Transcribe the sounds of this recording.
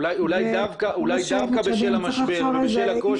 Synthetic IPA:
lajulajd̪avkaʔulajd̪avkabeʃelamaʃbebeʃelako

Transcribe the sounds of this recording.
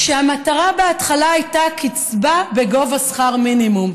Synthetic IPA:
ʃeamataʁabeatχalaːjtakit͡sbabe̞ɡo̞vasχaʁminimum

